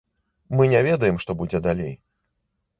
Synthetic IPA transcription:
mɨnʲɛvʲɛd̪ɐjɛmʂt̪ɔbud͡zʲɛd̪alʲej

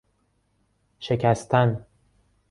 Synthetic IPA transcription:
ʃe̞cʰæst̪ʰæn

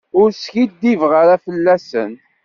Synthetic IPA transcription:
ʊɾsçid̪ːivʁəɾæfəlːæsə̰n

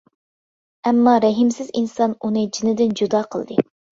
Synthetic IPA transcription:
ɛmːɑɾɛɦimsɪzinsɑnunɨd͡ʒinɪd̪ɪnd͡ʒud̪ɑːqʰəlˠd̪ɨ

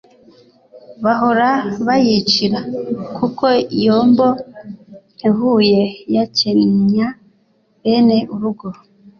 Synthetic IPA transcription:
βaɦo̞ɾaβajit͡ʃiɾakuko̞ijoːmbo̞ | iβuje̞jacemɲa | βe̞ne̞ʔuɾuɡo

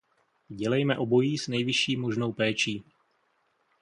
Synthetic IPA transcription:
ɟɛlɛjmɛʔo̞bo̞jiːsnɛjvɪʃiːmo̞ʒno̞wpɛːt͡ʃiː

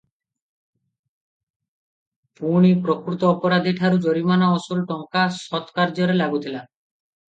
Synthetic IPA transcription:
puɽ̃ipɾokɾut̪ɔːpɔɾad̪ʱiʈʰaɾud͡ʒoɾimanaɔsulʈɔŋkasɔt̪kaɾd͡ʒɔɾelaɡut̪ʰila

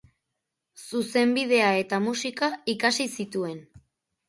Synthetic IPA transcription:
suse̞mbið̞e̞ae̞t̪amusikaikasisit̪ue̞n

